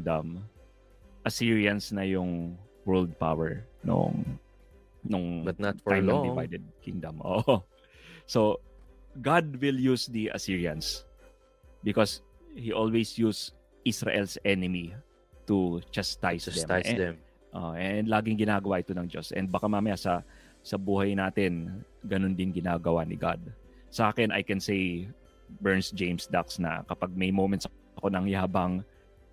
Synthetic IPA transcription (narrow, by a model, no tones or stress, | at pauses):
d̪ɐm | ʔɐsiɹiɐnsnɐjʊŋ | wɛld̪̚pa̰wɛɹno̰ŋ | nʊŋbɐt̪natfaadɪva̰jd̪ɛd̪̚kɪŋd̪ɐmʔo̰ːʔʔo | so | ɡad̪̚wɪljusd̪iʔɐ̰siɹiɐns | bɪkos | hiʔolwejsjus | ʔisɹa̰ʔɛlsʔɛnɪmi | t̪ut͡ʃast̪ajsd̪ɛmjɛm | ʔo̰ʔɛnd̪laːɡɪŋɡɪnaːɡɐwaʔɪt̪onɐŋd͡ʒosʔɛ̰nd̪bɐkamaːmɐjasɐ | sɐbuːhɐjnaːt̪ɪn | ɡɐnond̪ɪnɡɪnaːɡɐwanɪɡa̰d̪̚ | sɐʔaːkɛnʔɐ̰jkɛnsej | bɛɹnsd͡ʒẽjmsd̪aksnɐ̰kɐpaɡ̚mɐjmowmɛnt̪s | ɐko̞nɐŋjaabɐŋ